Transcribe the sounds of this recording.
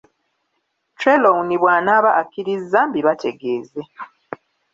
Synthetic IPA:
tɾelowuniβwaːnaːβaʔːkːiɾizːambiβatʰe̞ɡe̞ːze

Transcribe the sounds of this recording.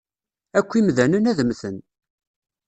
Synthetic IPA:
ækʷːimðænənæðəmθən

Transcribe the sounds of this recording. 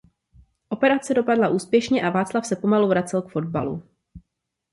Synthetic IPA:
ʔo̞pɛɾat͡sɛdo̞padlaʔuːspjɛʃɲɛʔavaːt͡slafsɛpo̞maluvɾat͡sɛlkfo̞d̚ba̰lṵ

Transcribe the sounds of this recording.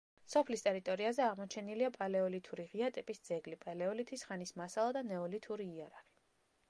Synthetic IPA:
sɔpʰlist̪ʼɛɾit̪ʼɔɾiazɛaʁmɔt͡ʃʰɛniliapʼalɛɔlit̪ʰuɾiʁiat̪ʼɛpʼisd̪z̥ɛɡlipʼalɛɔlit̪ʰisχanismasalˠad̪anɛɔlit̪ʰuɾiːaɾaʁi̥

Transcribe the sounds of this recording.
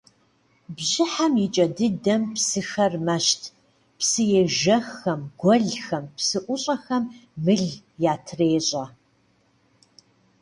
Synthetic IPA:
bʑɪħamjit͡ʃʼɐdɨdɐmpsɨxɐrmɐʃtʰ | psɨjeːʒɐxɐmɡʷɔɮxɐmpsɨʔʷʊɕʼɐxɐmːɨɮ | jaːtʰreːɕʼɐ

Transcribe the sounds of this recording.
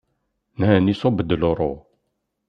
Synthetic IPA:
nhænisobəd̪loɾˤo

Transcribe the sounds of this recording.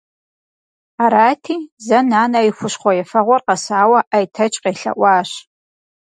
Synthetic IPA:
aɾaːtʰiːzɐnaːnɐixʷʊʃχʷɔjɛfɐʁʷɔrqɐsaːwɐʔajtʰɐt͡ʃʼqeɬɐ̰ʔʷɑːɕ

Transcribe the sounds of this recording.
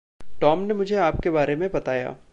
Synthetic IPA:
ʈɔːmnemʊd͡ʒʱeaːp̚kebaːɾemẽbɐt̪aːja̰ː

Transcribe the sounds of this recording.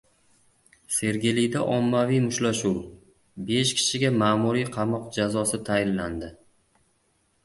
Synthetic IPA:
se̞ɾɡʲɪlɪd̪aʔɒmːavijmʊʃlaʃuw | be̞ʃkʲʰɪ̥ʃɪɡʲamaːmʊɾijqʰɑmɒqd͡ʒazɒsɪt̪ʰajɪnland̪ɪ

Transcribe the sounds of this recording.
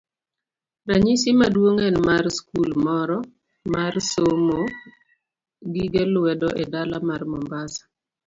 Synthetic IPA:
ɾaɲisimadwoŋenmarskulmɔɾɔ | marsomo | ɡiɡelʊwɛdɔʔedalamarmɔmbasḁ

